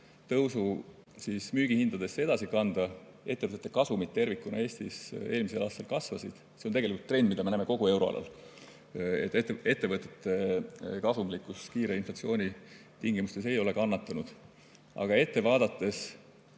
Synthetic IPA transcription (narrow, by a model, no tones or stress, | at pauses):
t̪ɤwsu | sismyːɡ̥ihind̪̥ɑd̪̥e̞sːe̞d̪̥ɑsikɑnd̪̥ɑ | e̞t̪ːe̞vət̪ːet̪ːˑekɑsumit̪ːe̞rvikːˑunɑ̰e̞ːst̪ise̞ːlmis̬e̞lɑːst̪ɑlkɑsvɑsid̪̥ | se̞nt̪eɡe̞likult̪ːre̞nd̪mid̪̥ɑmenæːmeko̞ɡ̥ue̞wɾo̞ɑ̰lʔɑ̰l | e̞̰t̪ːˑe̞t̪ːe̞vɤt̪ˑːet̪ˑːe̞kɑsumlikːˑuskiːɾeinflɑt̪sio̞ːnʲi | t̪iŋɡ̥imust̪e̞se̞jo̞le̞kɑnːɑt̪ːˑɑnud̪̥ | ʔɑ̰ɡ̥ɑe̞t̪ːevɑːd̪̥ɑt̪ːe̞s